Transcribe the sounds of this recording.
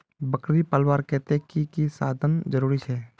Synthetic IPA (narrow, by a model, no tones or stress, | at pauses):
bəkɾipəlwaːɾkɛɦt̪eɛ̃kikisaːd̪ʱənd͡ʒəɾuːɾisɛː